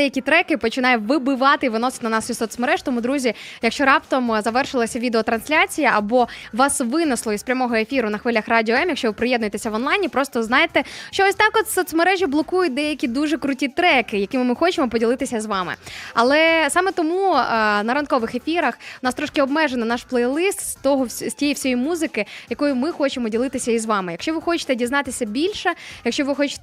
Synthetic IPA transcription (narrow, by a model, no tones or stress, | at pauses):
d̪ɛjɐkʲit̪ɾɛkɪpɔt͡ʃɪnɑjʊʋɪbɪʋɑt̪ɪiʋɪnɔsɪ̥tʲnɐnɑsʲisɔt̪smeɾɛʒ̥t̪ɔmud̪ɾuzʲijɐkʃt͡ʃɔɾɑpt̪ɔmzɐʋɛrʃɪlˠɐsʲɐʋʲid̪eɔt̪ɾɐnsʲlʲat͡sʲijɐɐbɔʋɑsʋɪnɪslˠɔizspɾʲɐmɔɦɔefʲiɾʊnɐxʋɪlʲɐxrɑdʲiɔɛmjɐkʃt͡ʃɔʋɪpɾɪjɛd̪nʊjt̪esʲɐʋɔnlˠɑjnʲipɾɔst̪ɔznɑjet̪ɛʃt͡ʃɔɔsʲt̪ɑkɔt̪sʲːɔt̪smeɾɛʒʲiblˠɔkujʊt̚ʲd̪ɛjɐkʲid̪uʒɛkɾʊtʲit̪ɾɛkɪjɐkɪmʊmɪxɔt͡ʃemɔpɔdʲilˠɪt̪ɪsʲɐzʋɑmɪ̰ɐ̰lˠɛsɑmɛt̪ɔmunɐɾɐnkɔʋɪxefʲiɾɐxʊnɑst̪ɾɔʃkɪɔb̚mɛʒenɔnɑʃplˠɛjlˠɪst̪t̪ɔɦɔsʲtʲɛjiwsʲɔjimuzɪkɪjɐkɔjʊmɪxɔt͡ʃemɔdʲilˠɪt̪ɪsʲɐizʋɑmɪjɐkʃt͡ʃɔʋɪxɔt͡ʃɪ̥t̪ɛdʲiznɑt̪ɪsʲɐbʲilʲʃɛjɐkʃt͡ʃɔʋɪxɔt͡ʃɪ̥